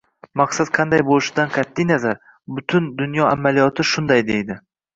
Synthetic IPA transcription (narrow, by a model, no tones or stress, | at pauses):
maqsat̪qʰɑnd̪ajbolɪʃɪd̪anqʰɑt̪ʰːijnazaɾ | bʊt̪ʰʊnd̪ʊnjɒamalijɒt̪ʰɪʃʊnd̪ajd̪ejd̪ɪ